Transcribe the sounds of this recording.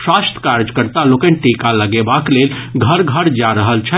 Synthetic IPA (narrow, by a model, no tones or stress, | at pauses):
swast̪ʰə̥kaɾd͡ʒəkəɾt̪alokɛ̃nʈekaləɡebaklelɡʱəɾɡʱəɾd͡ʒaɾəɦəlt͡ʃʰɛ